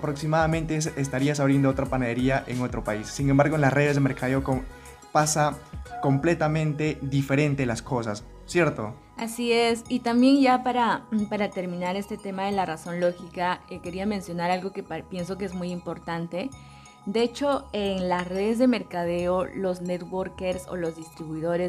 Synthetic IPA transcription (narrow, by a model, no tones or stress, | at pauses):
apɾo̞ksimaðamẽnt̪esest̪aɾiasaβɾiend̪oot̪ɾapanaðeɾiaʔeŋot̪ɾo̞paisːiŋembaɾɣoenlasre̞ð̞e̞zðeme̞ɾkaðeoko | pasako̞mple̞t̪amẽ̞nt̪e̞ðife̞ɾẽ̞nt̪elasko̞sas | sje̞ɾt̪o | asie̞sit̪ambje̞nʝapaɾapaɾat̪e̞ɾmĩnaɾe̞st̪et̪e̞maðe̞laraso̞nlo̞xikaeke̞ɾiamẽ̞nsjo̞naɾalɣo̞ke̞ppje̞nso̞k̬ee̞zmujimpo̞ɾt̪ant̪e̞ | d̪ee̞t͡ʃo̞eŋlasre̞ðe̞zðe̞me̞ɾkað̞e̞olo̞znet̪wo̞ɾke̞ɾso̰lo̞zðist̪ɾiβuiðo̞ɾe